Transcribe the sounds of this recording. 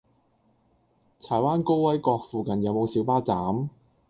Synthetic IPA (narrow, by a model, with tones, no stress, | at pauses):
t͡sʰaː˨˩jwaː˥nko˥wwɐ˥jkɔː˧k̚fuː˨kɐ˨njɐ˨˧wmo˨˧wsiː˨˥wpaː˥t͡saː˨˥m